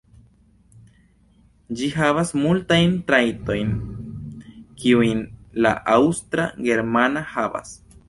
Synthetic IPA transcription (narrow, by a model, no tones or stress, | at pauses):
d͡ʒiɦaβasmult̪ajnt̪ɾajt̪o̞jn | kiujnla̰ʔawst̪ɾaɡeɾmanahaβa̰s